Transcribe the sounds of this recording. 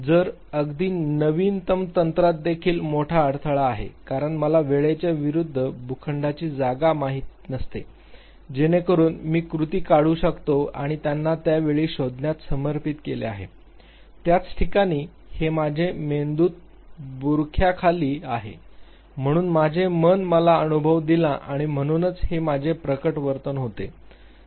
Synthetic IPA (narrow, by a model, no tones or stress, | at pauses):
d͡zəɾ | əɡd̪iːnəʋiːnt̪əmt̪ənt̪ɾat̪̚d̪ekʰiːlmoʈʰaəɽt̪ʰəɭaːɦḛkaɾəɳməlaʋeɭet͡ɕjaʋiɾud̪ʱːəbʱukʰəɳɖat͡ɕiːd͡zaɡamaɦit̪inəst̪ḛ | d͡ʑenekəɾuːnmiːkɾut̪iːkaɽuːɕəkt̪oa̰ɽ̃it̪janːat̪jaʋeɭiːɕod̪ʱnjat̪səməɾpit̪kelḛa̰ɦḛ | t̪jat͡sʈʰikaɽ̃iː | hemad͡ʑʱemend̪uːt̪̚ | buɾkʰjakʰaliːaɦḛ | m̤əɽ̃uːnmad͡ʑʱemənməlaənubʱəʋd̪ilaʔaɽ̃im̤əɽ̃uːnət͡shemad͡ʑʱepɾəkəʈʋəɾt̪ənɦot̪e